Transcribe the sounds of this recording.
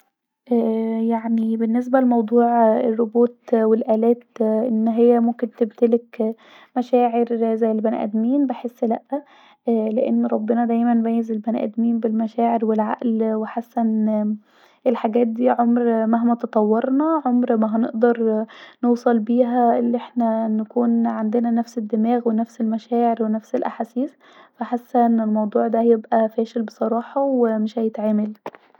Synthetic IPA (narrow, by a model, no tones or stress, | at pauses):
ʔæːjaʕnibenːes̬bælemɑwd̪ˤuːʕerːobuːt̪welʔæːlæːt̪ʔenːɦejːæmʊmkent̪ebt̪elek | mæʃæːʕeɾzæjːelbænʔæ̰d̪miːnbeħesːlæʔːæ | æleʔenːɾˤɑbːenɑd̪æːjmænbæjezelbænʔæ̰d̪miːnbelmæʃæːʕeɾwelʕa̰ʔlweħasːæn | ʔelħaɡæːt̪̚d̪iːʕomɾmæɦmæt̪ɑt̪ˤɑwːɑɾnɑʕomɾmæɦæneʔd̪ɑɾˤnowsˤɑlbiːɦæelːiʔeħnænækuːnʕand̪enænæfsed̪ːemæːɣwenæfselmæʃæːʕeɾwenæfselʔaħaːsiːs | fæħasːænelmɑwd̪ˤuːʕd̪æjebʔæfæːʃelbesˤɑɾˤɑːħɑwemɪʃhæjet̪ʕeːmæl